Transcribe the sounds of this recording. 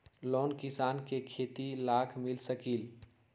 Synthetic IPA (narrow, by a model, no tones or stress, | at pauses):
loːnkɪsaːnkekʰeːt̪ilaːkʰmɪlsəkiːl